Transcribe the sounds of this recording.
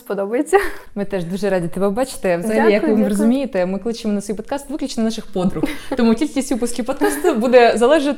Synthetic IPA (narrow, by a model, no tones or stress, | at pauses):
spɔd̪ɔbɐjet͡sʲːɐmɪt̪ɛʒd̪uʒɛɾɑdʲit̪ɛbɛbɑt͡ʃɪ̥t̪ɛʋzɐɦɐlʲijɐkʋɪmrɔzʊmʲijet̪ɛmɪklˠɪt͡ʃɪmɔnɐt̪sʲɛjpɔd̪̚kɑst̪ʋɨklʲʊt͡ʃenɐnɑʂɨxpɔd̪ɾʊxt̪ɔmukʲilʲkʲisʲtʲʋɪpʊskʲiwpɔd̪kɑst̪ɐbud̪ɛzɐlˠɛʒɪt̪ʲ